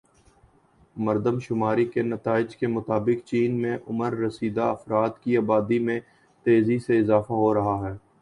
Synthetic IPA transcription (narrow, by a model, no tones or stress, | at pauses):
mɐɾd̪əmʃʊmaːɾikenɐt̪aːɪd͡ʒkemʊt̪aːbɪkt͡ʃiːnmẽʔʊməɾːɐsiːd̪aɐfɾaːt̪kiaːbaːd̪imẽ | t̪eːziseɪzaːfaɦoɾɐɦaɦɛː